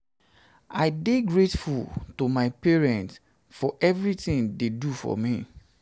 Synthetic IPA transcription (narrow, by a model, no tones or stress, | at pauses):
a̰ɪdeɡɹetfultomaɪpeɹɛ̃nts | fɔʔɛvɹitĩndedufɔ̰mi